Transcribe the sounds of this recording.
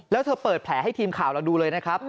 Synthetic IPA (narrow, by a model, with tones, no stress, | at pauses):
lɛː˦˥wt̪ʰɤː˧pɤː˨˩t̪̚pʰlɛː˩˦ɦa˥˩jt̪ʰiː˧mkʰaː˨˩wla˧wduː˧lɤː˧jna˦˥kʰɾa˦˥p̚